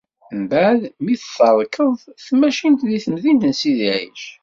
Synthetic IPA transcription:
mbaʕðmiθθəɾˤkəðˤθmæʃint̪ðiθəmðint̪ənsiðiʕḭʃ

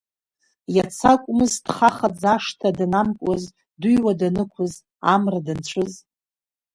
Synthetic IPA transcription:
jat͡sʰakʷʼmɨzd̥χaχad͡zaʂtʰadnamkʷʼaz | dujwadanɨkʷʰʊz | amradɨnt͡ʃʷʰɨz

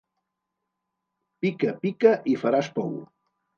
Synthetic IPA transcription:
pikəpikəʔifaɾaspɔwu

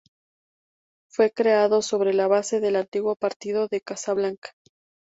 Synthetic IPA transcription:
fwe̞kɾe̞aðo̞so̞βɾe̞laβase̞ðe̞lant̪iɣwo̞paɾt̪iðo̞ðe̞kasaβlaŋkḁ

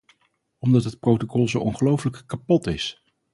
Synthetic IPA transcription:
ɔmdɑtɦət̚prowtokɔlˠzowʔɔnχəlowfələkkapɔtɪs

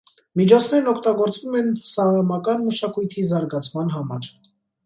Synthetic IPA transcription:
mit͡ʃʰɔt͡sʰnɛɾnɔkʰt̪ɑɡɔɾt͡svumɛnsɑʁɑmɑkɑnməʃɑkujt̪ʰizɑɾɡɑt͡sʰmɑn̪ɦɑmɑ̰ɾ

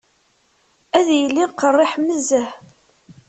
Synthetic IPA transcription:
æðjəlːiqərˤːɪħmːəzəħ

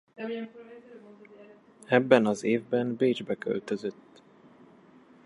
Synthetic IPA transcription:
ɛbːɛnɒzeːvbɛnbeːd͡ʒbɛkø̞̰lt̪øzøt̪ː

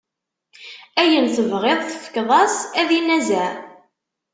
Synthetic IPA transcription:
æjənθəvʁeðˤθəfə̥kːðˤɑsæðinæzæ

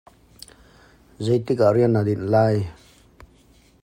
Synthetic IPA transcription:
zejt̪ikaɾiənːad̪inlaj

